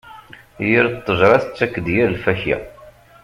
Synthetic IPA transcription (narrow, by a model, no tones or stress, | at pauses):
jiɾt̪ˤːəʒɾˤɑθt͡sːækːəd̪jiɾlfæçæ̰